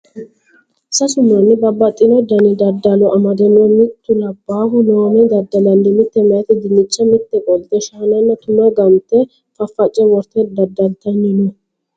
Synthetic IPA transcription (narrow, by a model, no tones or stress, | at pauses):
sɐsʊmɐnːɪbɐbːɐt̪ʼːɪnɔd̪ɐnɪd̪ɐd̪ːɐlɔʔɐmɐd̪ɛnɔmɪt̪ːʊlɐbaːhʊnoːmɛd̪ɐd̪ːɐlɐnːɪmɪt̪ːɛmɐjɛt̪ɪd̪ɪnːɪt͡ʃːɐmɪt̪ːɛkʼɔlɪt̪ɛʃaːnɐnːɐt̪ʊmɐɡɐmt̪ːɛ | fɐfːɐt͡ʃʼːɛwɔɾt̪ɛd̪ɐd̪ɐlt̪ɐnːɪnʊ